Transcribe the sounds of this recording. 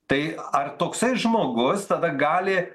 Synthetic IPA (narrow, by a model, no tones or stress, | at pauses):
t̪ɐɪɐrt̪oːksɐɪsʒmoːɡʊst̪ɐd̪ɐɡɑːlʲɪ